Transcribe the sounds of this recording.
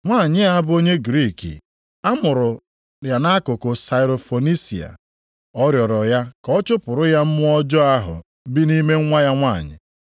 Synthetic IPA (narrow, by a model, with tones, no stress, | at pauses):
ŋʷaː˦˨ɲɪ˦a˦a˦bʊ˦o˦ɲe˦ɡɾi˦˨kḭ˨ | a˦mʊ˨ɾʊ˨ | ɾja˨na˦kʊ˨kʊ˨sa˨ɪ˨ɾo˨fo˨ni˦sḭ˨a̰˨ | ɔ˦ɾjɔ˨ɾɔ˨ja˦kɔ˦t͡ʃʊ˦pʊ˨ɾʊ˦ja˦m̩˦mʊ˦ɔ˦d͡ʒɔ˦a˦ɦʊ̰˨ | bi˦ni˦me˦ŋʷa˦ja˦ŋʷaː˦˨ɲɪ̰˨